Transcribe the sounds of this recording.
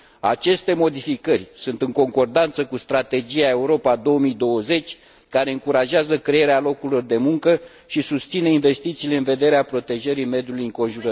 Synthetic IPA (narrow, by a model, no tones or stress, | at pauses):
a̰t͡ʃe̞st̪e̞mo̞d̪ifikərʲsunt̪ɨŋko̞ŋko̞rd̪ant̪səkust̪ɾat̪e̞d͡ʒiae̞uɾo̞pad̪o̞omid̪o̞wəze̞t͡ʃʲ | kaɾe̞ɨŋkuɾaʒeazəkɾeeɾealo̞kuɾlo̞rd̪e̞muŋkə | ʃisust̪sineinve̞st̪it̪siːle̞ɨnve̞d̪e̞ɾeapɾo̞t̪e̞ʒəɾime̞d̪julujɨŋko̞nʒuɾə